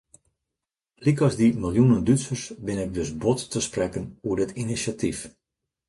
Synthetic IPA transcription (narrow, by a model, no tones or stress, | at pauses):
likɔzdimɪlˠjunəndytsərsbɪnɪk̚ʋɪsbɔtːəsprɛkənuədɪtinisatʰif